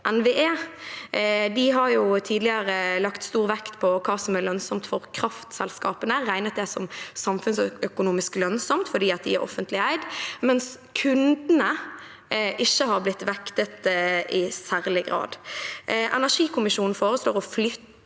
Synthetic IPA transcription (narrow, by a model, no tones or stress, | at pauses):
ʔɛnʋeːʔeː | d̪ɪɦɑɾjʊt̪ʰiːd̪lɪəɾəlɑkt̪st̪uːʁʋɛkt̪pʰɔkʰɑːsɔmælœnsɔmt̪fɔɾkʰɾɑft̪sɛlskɑːpənəɾæɪnət̪̚d̪ɛsɔmsɑmfʉnsœkʊnuːmɪsklœnsɔmt̪fɔɖ̪iːɑt̪̚d̪ɪ̰æ̰ɾʔɔ̰fənt̪lɪæɪd̪mɛns | kʰʉnd̪nə | ʔɪçːəhɑɾblɪt̪ːʋɛkt̪ət̪ɪsæːɾlɪɡɾɑ̰ːd̪ | ʔɛ̰næʂiːkʰʊmɪʃuːnn̩foːɾəsloːʁɔflʏt̪ː